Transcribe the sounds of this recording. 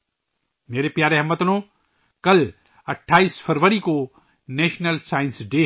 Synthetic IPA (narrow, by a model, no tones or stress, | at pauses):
meːɾepjaːɾeɦɐmːət̪nõ | kɐl | ɐʈʰːaːiːsfʰəɾʋəɾiko | neːʃnəlsaːɪnsɖeː